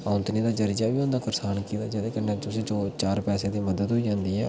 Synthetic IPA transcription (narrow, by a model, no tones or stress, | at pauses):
ãːʊnt̪niːd̪aːd͡ʒəɾid͡ʒaːʋiːõːnd̪aːkəɾsaːnkiːt̪aːd͡ʒeːd̪eːkənət͡ʃʊsẽːt͡ʃoːt͡ʃaːɾpɛːseːd̪iːməd̪əd̪ɦoiːd͡ʒãːnd̪iːɦɛː